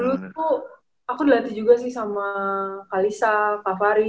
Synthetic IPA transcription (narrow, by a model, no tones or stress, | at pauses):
ulut̚u | akudilat̪id͡ʒuɡasɪhsamakalisakafaɾi